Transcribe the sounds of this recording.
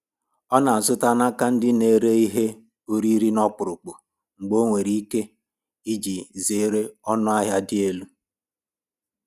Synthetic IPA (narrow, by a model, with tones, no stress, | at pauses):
ɔ˦na˨zʊ˦ta˦na˦ka˦n̩˦dɪ˦ne˨˦˨ɾe˦i˦ɦe˦ | o˦ɾi˦ɾi˦nɔ˦pʊ˨ɾʊ˨k͡pʊ˨ | ŋ͡m̩˨ɡ͡bo˦ŋʷe˨ɾi˦i˦ke˦ | i˦d͡ʒi˨ze˨˦ɾe˦ɔ˦nʊ˦a˦ɦja˦dɪ˦e˦lu˦